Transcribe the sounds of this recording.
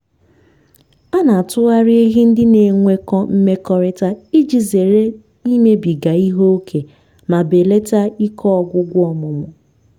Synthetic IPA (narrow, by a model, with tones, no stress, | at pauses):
a˦na˨tʊ˦ɣa˦ɾɪ˦e˦ɦi˦n̩˦dɪ˦ne˨ŋʷe˦kɔ˦m̩˦me˦kɔ˨ɾɪ˦ta˦i˦d͡ʒi˨ze˨ɾe˦ | i˦me˦bi˨ɡa˨i˦ɦo˦kʰe˨ | ma˨be˨le˦ta˦i˦kʰɔ˦ɔ˨˦ɡʷʊ˦ɡʷʊ˦ɔ˨mʊ˨mʊ˨